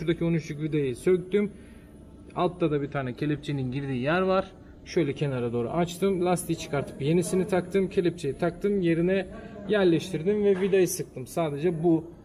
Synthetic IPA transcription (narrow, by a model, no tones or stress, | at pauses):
ʃuɾd̪acʰionuyʃukvid̪ajisøc̚d̪ym | alˠp̚t̪ʰːad̪abit̪ʰaːnɛcʰe̞lʲip̚t͡ʃʰeninɟiɾd̪iːijæɾvaɾ̥ | ʃø̞jlʲɛcʰe̞naɾad̪o̞ːɾṵʔat͡ʃt̪ʰɯmlʲˠast̪ijit͡ʃʰɯ̥kaɾt̪ʰɯ̥pje̞nisinit̪ʰakt̪ʰɯmcʰe̞lʲip̚t͡ʃʰejit̪ʰak̚t̪ʰɯmje̞ɾinɛjæɾlʲɛʃt̪ʰiɾd̪imvɛvid̪ajɯsɯk̚t̪ʰɯmsaːd̪e̞d͡ʒɛbu